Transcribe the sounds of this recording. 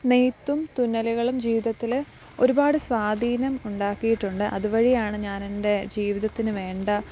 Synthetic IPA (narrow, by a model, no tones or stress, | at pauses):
nejt̪ːumt̪unːɐluɣɐɭumd͡ʑiːʋiðɐt̪ːil | o̞ɾubaːɽɨsʋaːd̪ʱiːnɐmuɳɖaːkːijiʈːuɳɖɨʔɐðuʋɐɻijaːɳɨɲaːnende̞d͡ʑiːʋiðɐt̪ːinɨʋe̞ːɳɖɐ